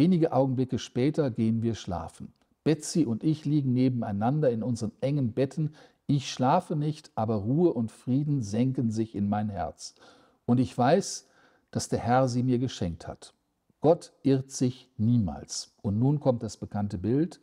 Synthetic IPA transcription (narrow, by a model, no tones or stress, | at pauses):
veːnɪɡəʔaʊɡŋ̩blɪkəʃpɛːtɐɡeːənviːɐʃla̰ːfn̩ | b̥ɛt͡siʔʊntɪçliːɡŋ̩neːbm̩a̰ɪnandɐɪnʊnzəʁənʔɛŋənbɛtʰn̩ | ɪçʃlaːfənɪçtʔaːbɐʁuːəʔʊntfʁ̥iːdn̩zɛŋkn̩zɪçɪnmaɪnɦɛ̰ɐt͡s | ʔʊntɪçv̥aɪs | d̥asd̥eːɐhɛɐziːmiːɐɡəʃɛŋk̚tha̰t | ɡ̥ɔtʔɪʁtz̥ɪçniːma̰ːlsʔʊntnuːnkʰɔmt̚d̥asb̥əkʰantəbɪlt